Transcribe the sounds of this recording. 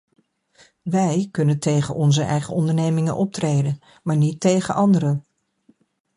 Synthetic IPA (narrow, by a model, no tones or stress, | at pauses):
ʋɛjkɵnəntejχə̰nʔɔnzəʔɛ̰jχəɔndəɹnejmɪŋə̰nʔɔp̚trejdən | maːɹnitːejχəʔɑndəɾə